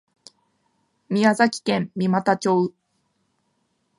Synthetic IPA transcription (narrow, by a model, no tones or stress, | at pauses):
mʲiazakʲi̥kẽ̞mːʲimat̪at͡ɕoːɯ